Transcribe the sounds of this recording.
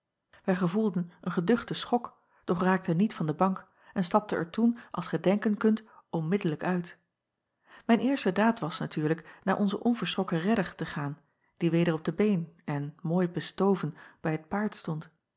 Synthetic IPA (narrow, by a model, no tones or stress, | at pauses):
ʋɛjχəvulˠdənənχədɵχtəsχɔk | d̥ɔχraːk̚tənitfɑndəbɑŋk | ɛnstɑp̚təʔɛ̰ɹtunʔɑ̰lˠsχədɛŋkənkɵntɔmmɪdələkœɥt | mɛjnɪːɹstədaːtʋɑsnatyːɹləknaːɹʔɔnzəʔɔnvəɹsʁɔkərɛdəɹtəχaːn | d̥iʋejdəɹɔb̚d̥əbejnɛnmoːjbəstowvənb̥ɛjɦət̚paːɹtstɔnt